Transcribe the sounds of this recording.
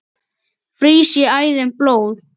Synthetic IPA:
fɾiːsjʏaːjðɪnploːwð

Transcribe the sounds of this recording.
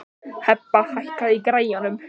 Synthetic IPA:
hɛpaχaɬkʰaiɡrejɔnəm

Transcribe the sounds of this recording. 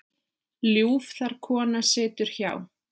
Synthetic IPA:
ljuːfθaɾ̥kʰɔːnasɛːt̪ʏɾ̥çaːw

